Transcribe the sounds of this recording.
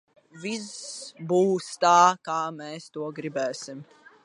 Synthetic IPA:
visbuːst̪aːkaːmɛːst̪uɔɡɾibɛːsim

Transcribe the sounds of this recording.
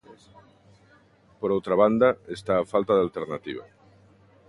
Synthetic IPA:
poɾowt̪ɾaβ̞and̪aest̪aːfalt̪aðealt̪eɾnat̪iβ̞a̰

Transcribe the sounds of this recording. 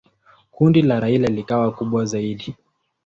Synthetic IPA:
kundilaɾailɛlikawakuɓwazaiɗi

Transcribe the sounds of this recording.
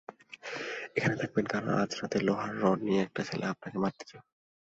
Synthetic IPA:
ekʰanet̪ʰak̚benkaɾo̰nʔa̰d͡ʑɾat̪eloɦaɾːɔɾnijeɛk̚ʈat͡ɕʰelḛap̚nakemadd̪i̥t͡ɕo

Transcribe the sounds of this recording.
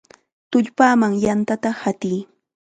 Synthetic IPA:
t̪ʊʎpaːmaŋjant̪at̪ahat̪iː

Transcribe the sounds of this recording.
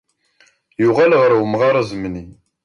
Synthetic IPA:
jʊʁalʁəɾwəmʁɑɾˤɑzmni

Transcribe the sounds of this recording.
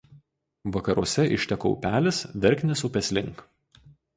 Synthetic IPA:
ʋɐkɐɾuɔsʲɛʔɪʃʲt̪ʲɛkɔ̰ʊpʲæːlʲɪsʋʲɛɾʲkʲnʲɪsʊpʲɛsʲlʲɪŋˑk

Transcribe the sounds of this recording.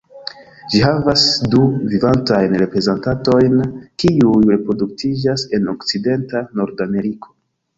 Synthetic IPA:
d͡ʒiɦavasduvivantajnɾe̞pɾe̞zentanto̞jnkiujɾe̞pɾo̞duk̚tʰid͡ʒase̞no̞kt͡side̞ntano̞ɾdame̞ɾiko̞̥

